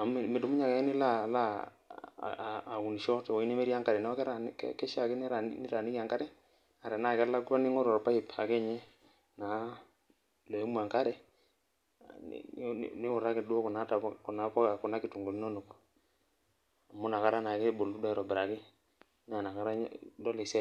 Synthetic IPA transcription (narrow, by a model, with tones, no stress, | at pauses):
a˨me˨du˨˦mu˦ɲa˨ka˨ɛ˦ni˦la˦˨la̰˦˨ | ku˨ni˨ʃɔ˦tɛ˨wɔ˨i˦nɛ˦me˦ɾi˦a˦ŋka˦ɾɛ˨nɛ˦ɔ˦kɛ˦ɾa˨nkkɛ˦ʃa˨ke˦nɛ˦ɾa˨nni˦ɾa˨ni˦ka˨ŋka˦ɾɛ˦ | a˨ɾɛ˨na˦˨kɛ˦la˦ɡu˦ɾa˦ni˦ŋɔ˦ɾɔ˨ɾpa˦i˨pa̰˨kɛ˦˨ɲɛ˦ | na˨ | lo˨i˦mu˦a˨ŋka˦ɾɛ˨ | ni˦ʊ˨ɾa˦kɪ˨du˦ɔ˦kɔ˨na˨˦ta˨˦kɔ˨na˨˦pɔ˦ka˨kɔ˨na˦ki˨tu˨ŋɡo˨ni˦no˦nu˨k | a˨mu˦na˨ka˦ɾa˦na˨ke˦bo˨lu˦da˦ɾɔ˨bɪ˨ɾa˨kɪ˦ | n˦a˨na˨ka˦ɾa˦dɔ˦lɛ˨sɛ˦